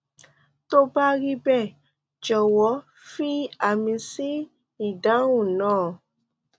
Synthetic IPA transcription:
to˦ba˦ɾi˦bɛ˦˨ | d͡ʒɔ˨wɔ˨˦ | fi˦a˦˨mĩ˧si˦ | i˨dã˨˦wũ˦˨nãː˦˨

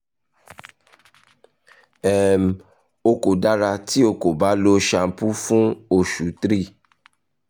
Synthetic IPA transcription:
ɛ˨m˨ | o˧ko˨da˦ɾa˧ti˦o˧ko˨ba˨˦lo˦ʃa˧˦pu˦fũ˦o˨ʃu˨˦tɾi˦˨

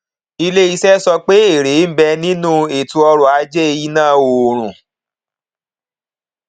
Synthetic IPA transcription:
i˧le˦i˧sɛ˦sɔ˧k͡pe˦e˦˨ɾe˨˦m̩˦bɛ˧nĩ˦nũ˦e˨tũ˧ɔ˧ɾɔ˨a˨˧˦d͡ʒɛ˦e˧ji˦nãː˦˨o˨ɾ̃ũ˨

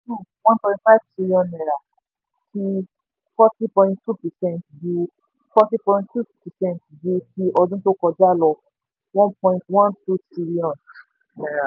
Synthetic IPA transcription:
tu˦˨wɔ̃˦npɔ̃˧ĩ˧ntfa˦i˦vtɾi˧li˦ɔ̃˨nɛ˨ɾa˨ | tʰi˧ | fɔ˦ti˦pɔ̃˧ĩ˧ttu˦˨pɛ˨sɛ̃˦ntbu˧ | fɔ˦ti˦pɔ̃˧ĩnttu˦pɛ˨sɛ̃˦˨ntdu˧ki˧ʔɔ˧dũ˦to˦kɔ˧d͡ʒa˦lɔ˧ | wɔ̃˦npɔ̃˧ĩ˧ntwɔ̃˦ntu˦tɾi˦li˦ɔ̃˨n | ɛ˨ɾa˨

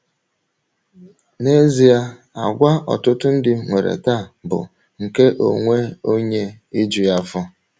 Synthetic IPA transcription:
ne˦zi˦ja˦ | a˨ɡʷa˦ɔ̰˨tʊ˦tʊ˦n̩˦dɪ˦ŋʷe˨ɾḛ˨ta˦˨bʊ̰˨ | ŋ̩˨ke˦ʔo̰˨ŋʷe˦o˦ɲe˦ | i˦d͡ʒi˨ja˦fɔ˦

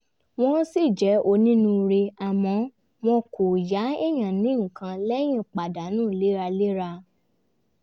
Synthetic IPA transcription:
w̃ɔ̃˦si˦˨d͡ʒɛ˨˦o˧nĩ˦nũ˧ɾe˧a˨mɔ̃˨˧˦ | m̃ɔ̃˧kʰo˨ja˨˦e˦j̃ã˨nĩ˨˦ŋ̩˨kã˧lɛ˦j̃ĩ˦˨k͡pa˨da˨˦nũː˦˨le˦ɾa˧le˦ɾa˧

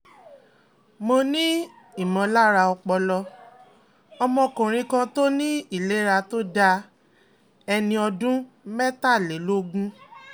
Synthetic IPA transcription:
mo˧nĩ˦ | i˦˨mɔ̃˨˧la˦ɾa˧ɔ˧k͡pɔ˧lɔ˧ | ɔ˧mɔ̃˧˨kũ˨ɾ̃ĩ˧kã˧to˦nĩ˦i˦˨le˨˦ɾa˧to˦da˧ | ɛ˧nĩ˧ɔ˧dũ˦ | mɛ˦ta˦˨le˨˦lo˦ɡũ˦

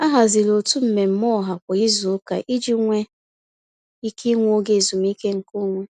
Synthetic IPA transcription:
a˦ɦa˨zi˨lo˨tu˦m̩˨me˨m̩˦mɔ˦˨ɦa˨kʷa˨i˦zu˨o˦ka̰˨ʔi˦d͡ʒi˦ŋʷe˦ | i˦ki˦ŋʷo˦ɡe˨zu˨m˦i˦ke˦ŋ̩˨ko˦ŋʷe˦

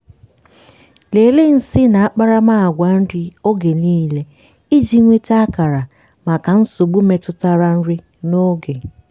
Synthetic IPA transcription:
le˨le˦n̩˨sɪ˦na˨a˦k͡pa˦ɾa˦ma˦˨a˨ɡʷa˨n̩˦ɾɪ˦o˦ɡe˨niː˦le˦ | i˦d͡ʒi˦ŋʷe˦ta˦a˦ka˨ɾa˨ | ma˨ka˨n̩˦sʊ˨ɡ͡bu˦me˨tʊ˦ta˦ɾa˦n̩˦ɾɪ˦ | no˦ɡe˨

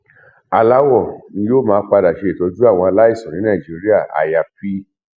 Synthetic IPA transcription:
a˧la˦wɔ˦˨nĩ˧˦joː˦˨mãː˧˦k͡pa˧da˨ʃe˨˧e˨to˧d͡ʒu˦a˦˨w̃ɔ̃˧a˧la˦i˦˨sɔ̃˨nĩ˦nã˦˨d͡ʒi˨˦ɾi˦a˦˨a̰˨ja˧˨fi˦

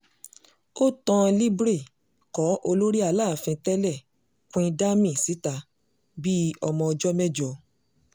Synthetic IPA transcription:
o˦tɔ̃˧li˦bɾi˦˨ | kɔ˨˦ʔo˧lo˦ɾi˦a˧laː˦˨fĩ˧tɛ˦lɛ˦˨ | kʷĩ˧da˦mĩ˦˨si˨˦ta˧ | bi˦ɔ˧mɔ̃˧ɔ˧d͡ʒɔ˦mɛ˦d͡ʒɔ˨

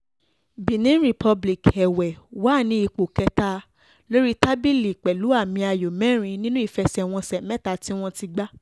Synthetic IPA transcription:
bĩ˨nĩ˨˦ɾi˨pʰɔ˧bli˨kɛ˨wɛ˨wa˦˨nĩ˧˦i˧k͡po˨kɛ˧ta˧ | lo˦ɾi˦ta˦bi˦li˨k͡pɛ˨lu˨˦a˦˨mĩ˧a˨jo˨mɛ̃˦ɾ̃ĩ˧nĩ˦nũ˦i˨fɛ˧sɛ˨w̃ɔ̃˧sɛ˨mɛ̃˦ta˧ti˦w̃ɔ̃˧ti˧ɡ͡ba˦

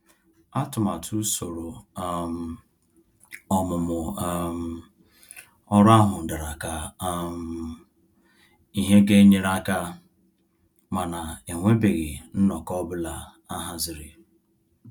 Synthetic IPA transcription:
a˦tʊ˨ma˨tʰu˦so˨ɾo˨m˨ | ɔ˨mʊ˨mʊ˨˦˨m̩˨ | ɔ˦ɾa˦ɦʊ˨n̩˨da˨ɾa˨ka˨˦m | i˨ɦe˦ɡe˦ɲe˦ɾa˦ka˦ | ma˨na˨e˨ŋʷe˦be˨ɣɪ˨n̩˦nɔ˨kɔ˦bʊ˦la˨ | a˦ɦa˦zɪ˦ɾɪ˨

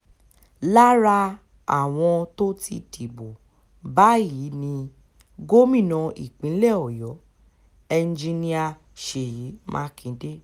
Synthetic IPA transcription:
la˦ɾa˧ | a̰˨w̃ɔ̃˧to˦ti˧tʰi˨bo˨ | ba˨˦ji˨˦nĩ˧ | ɡo˦mĩ˦˨nã˧ḭ˨k͡pĩ˨˦lɛ˦˨ɔ˨jɔ˨˦ | ɛ˧n˦d͡ʒi˧nĩ˦˧a˧ | ʃe˨ji˨˦mʔã̰ː˦kĩ˨˦de˦

